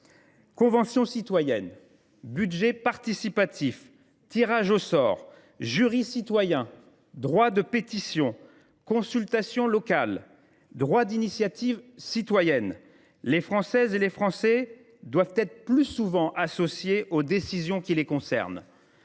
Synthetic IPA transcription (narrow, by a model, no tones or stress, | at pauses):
kɔ̃vɑ̃sjɔ̃sit̪wajɛn | byd̪ʒɛpaʁt̪isipat̪ʰif | t̪iʁaʒosɔːʁ | ʒyʁisit̪wajɛ̃ | d̪ʁwad̪əpet̪isjɔ̃ | kɔ̃sylt̪asjɔ̃lɔkal | d̪ʁwad̪inisjat̪ivsit̪wajɛn | lefχɑ̃sɛzelefχɑ̃sɛ | d̪wavt̪ɛt̪χəplysuvɑ̃ʔasɔsjeʔod̪esizjɔ̃kʲilekɔ̃sɛ̰ʁn